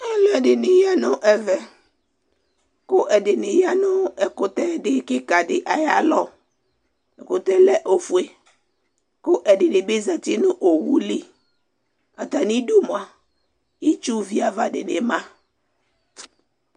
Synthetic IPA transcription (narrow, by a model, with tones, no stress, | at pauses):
ɛ˦lɔ˦ɛ˨dɪ˨nɪ˨ja˦nʊ˦ʔɛ˨vɛ˨ | kʊ˦ʔɛ˨dɪ˨nɪ˨ja˦nʊ̃˦ɛ˨kʊ˨t̪ɛ˦dɪ˦kɪ˦ka˨ɖɪ˨ʔa˨ja˦lɔ˦ | ɛ˨kʊ˨t̪ɛ˦lɛ˦ʔo˨fu˨e˨ | kʊ˦ʔɛ˨dɪ˨nɪ˨be˦za˨t̪i˦nʊ̃˦ʔo˨wu˦li˦ | a˨t̪a˨nĩ˦du˦mo˨a˨ | i˦t͡ʃu˦vi˦a˨va˨dɪ˨nɪ˨mã˦